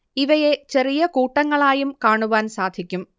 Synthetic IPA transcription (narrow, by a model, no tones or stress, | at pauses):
iʋɐje̞t͡ɕe̞rijɐkuːʈːɐŋːɐɭaːjumkaːɳuʋaːnsaːd̪ʱikʲːum